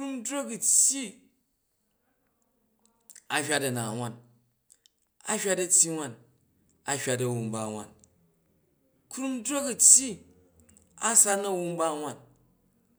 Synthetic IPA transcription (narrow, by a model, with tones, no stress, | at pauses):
kɾu˦mdɾo˦kɐ˨tʲji˦ | a˨hʲa˦tɐ˨na˨wʷa˦˨n | a̰˦hʲa˦tɐ˧tʲji˦wʷa˦˨n | a˨hʲa˦t̬ɐ˨wu˨mba˦˨wa̰˨n | kɾu˦mdɾo˦kɐ˨tʲji˦ | a˦sa˦nɐ˦wu˧mba˦wʷa˦˨n